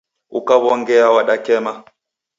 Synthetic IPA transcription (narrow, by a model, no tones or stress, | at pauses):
ukaβɔŋɡɛawaɗakɛma